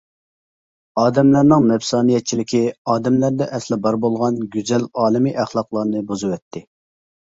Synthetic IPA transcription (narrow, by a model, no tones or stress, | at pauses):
ɑːd̪ɛmlæɾnɨŋnɛpsɑːnijɛt̪̚t͡ʃʰilɪkʲiɑːd̪ɛmlæɾd̪ɛʔɛslɪbɑɾbolˠʁɑnɡʲyzɛlɑːlˠɨmiʔæχlˠɑqlˠɑɾnɨbozɨwɛt̪ʰːɪ